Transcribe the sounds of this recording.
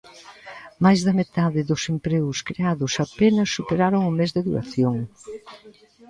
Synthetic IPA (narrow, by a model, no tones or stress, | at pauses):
majzðɐmet̪aðɪðʊsempɾeɣʊskɾeaðʊsɐpenɐsːupeɾaɾoŋʊmezðɪðuɾɐ̰θjoŋ